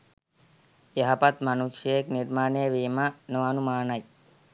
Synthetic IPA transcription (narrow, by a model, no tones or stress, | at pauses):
eɦapat̪manukʃjejekniɾmaːɳejəʋiːmanoɐnumaːnɐj